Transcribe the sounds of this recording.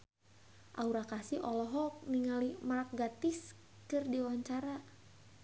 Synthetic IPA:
ʔa̰uɾakasiʔɔlɔɦɔk̚niŋalimaɾak̚ɡat̪ɪs | kɨrdiwwaɲt͡ʃaɾa

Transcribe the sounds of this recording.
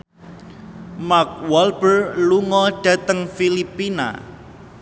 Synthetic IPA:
mak̚wɔlb̥ərluŋɔɖ̥ä̤t̪əŋfilipina̰

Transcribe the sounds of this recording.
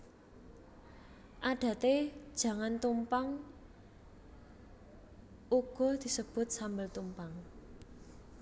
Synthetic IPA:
ʔaɖ̥ä̤t̪ed̥ʒ̥ä̤ŋant̪umpaŋ | ʔuɡ̥ɔ̤d̪̥i̤səb̥ʊ̤t̪̚sambəlt̪umpaŋ

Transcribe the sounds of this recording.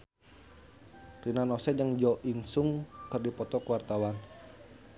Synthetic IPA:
rinanɔsɛd͡ʒəŋd͡ʒɔʔinsʊŋkərdipɔt̪ɔkəwart̪awan

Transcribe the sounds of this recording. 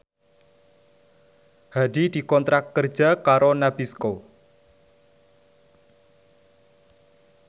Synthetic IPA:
hadid̪̥i̤kɔnt̪ɾakːər̥d͡ʒ̥a̤kaɾonabisko

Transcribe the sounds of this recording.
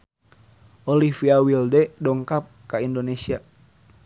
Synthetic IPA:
ɔlifiawildɛdɔŋkap̚kaindonesia

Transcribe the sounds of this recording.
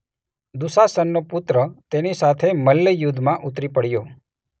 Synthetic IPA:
d̪usasənːopʊt̪ɾət̪enisat̪ʰeməlːəjʊd̪ʱːmãʔut̪ɾipəɽjo

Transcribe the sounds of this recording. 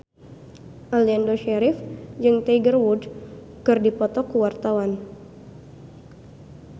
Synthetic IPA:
ʔɔliandoʃɛɾɪfd͡ʒɨŋt̪eɡərwud | kɨrdipɔt̪ɔkuwart̪awan

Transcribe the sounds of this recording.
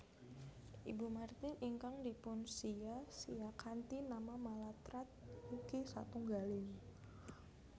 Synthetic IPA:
ʔḭbumart̪ɪniŋkaŋdipʊnsiasiakʰant̪inamamalat̪ɾat̪̚hukisa̰t̪uŋɡalɪŋ

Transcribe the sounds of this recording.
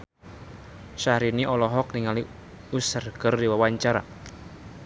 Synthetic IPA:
ʃahɾiniʔɔlɔɦɔk̚niŋali | usərɡərdiwawaɲt͡ʃaɾa̰

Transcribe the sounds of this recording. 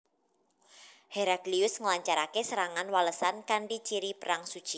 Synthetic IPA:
heɾaɡliʊsŋəlaɲt͡ʃaɾakesəɾaŋanwaləsankaɳɖit͡ʃiɾipəɾaŋsud̥t͡ʃi

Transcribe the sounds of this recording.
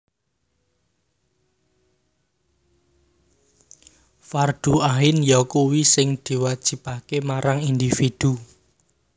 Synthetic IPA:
fard̪̥uaɦɪnjɔkowisɪŋd̪̥i̤wad̥ʒ̥i̤pakemaɾaŋind̪ifid̪̥u

